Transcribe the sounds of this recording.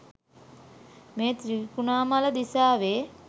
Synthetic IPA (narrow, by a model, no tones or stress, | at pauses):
meːt̪ɾikunaːmaləd̪isaːʋeː